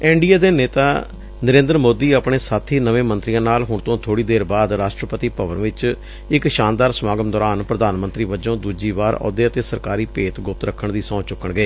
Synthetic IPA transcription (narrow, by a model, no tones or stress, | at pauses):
ɛːɳɖiːaːd̪eːneːt̪aː | nəɾẽːnd̪əɾmoːd̪iːəpɳeːsaːt̪ʰiːnəʋẽːmənt̪ɾɪjãːnaːlɦʊɳ̃t̪õːt̪ʰoːɽiːd̪eːɾbaːd̪ɾaːʃʈɾəpət̪iːpəʋənʋɪt͡ʃ | ɪkʃaːnd̪aːɾsəmaːɡəmd̪ɔːɾaːnpɾəd̪aːnmənt̪ɾiːʋəd͡ʒõːd̪uːd͡ʒiːʋaːɾɔ̰ːd̪eːət̪eːsəɾkaːɾiːpeːt̪ɡʊp̚t̪ɾəkʰːəɳd̪iːsɔ̃ːt͡ʃʊkːəɳɡəeː